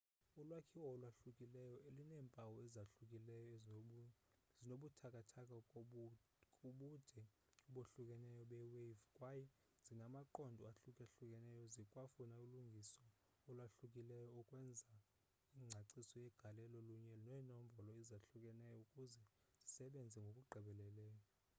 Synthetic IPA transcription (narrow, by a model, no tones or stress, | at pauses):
ulwakʰiwɔɔlwaɬukʼilɛjɔʔelunɛːmpʼawɔɛzaɬukʼilɛjɔ | zinoɓutʰakʼatʰakʼa | kʼuɓud̥ʱɛ | uɓoɬukʼɛnɛjɔɓɛwevkʼwajɛ | z̥inamaǃɔndʱɔaɬukʼɛɬukʼɛnɛjɔzikʼwafunauluŋɡʱisɔː | lwaɬukʼilɛjɔːkʼwɛnd͡zʱa | iːŋ͡ǀʱaǀisɔjɛɡ̥ʱalɛlɔluɲɛnɛːnɔm̩bʱɔlɔɛzaɬukʼɛnɛjɔukʼuzɛ | z̥isɛɓend͡zʱɛŋɡʱokʼuɡ͡ǃʱɛɓɛlɛlɛːjɔ